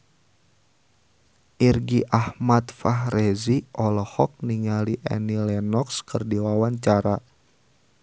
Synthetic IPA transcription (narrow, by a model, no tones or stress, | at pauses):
ʔirɡiʔahmat̪faɦrɛziʔɔlɔhɔk̚niŋaliʔɛ̰nilɛnɔkskɨrdiwawaɲt͡ʃaɾa